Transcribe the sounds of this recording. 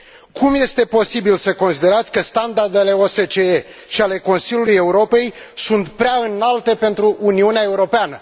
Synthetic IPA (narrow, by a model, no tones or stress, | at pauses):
kʰumje̞st̪e̞po̞sibilsəko̞nsid̪e̞ɾat̪sʲkəst̪and̪ard̪e̞le̞ose̞t͡ʃe̞e | ʃiale̞ko̞nsilʲuluje̞uɾo̞pe̞j | sunt̪pɾeaɨnalt̪e̞pe̞nt̪ɾuʔːniuneae̞uɾo̞peanə